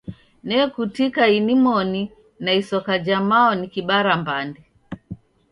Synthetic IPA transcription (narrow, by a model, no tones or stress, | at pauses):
nɛkutikainimɔni | naisɔkad͡ʒamaɔnikiɓaɾambandɛ